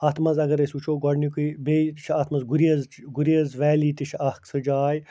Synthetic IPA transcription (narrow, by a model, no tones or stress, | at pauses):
ɐt̪ʰmɐzɐɡɐɾesʲut͡ʃʰoːɡɔɽnikibet̪t͡ʃʰɐt̪ʰmɐzɡuɾiɐzɡuɾiɐzʋɛːliːt̪it͡ʃʰɐhksɨd͡ʒaːj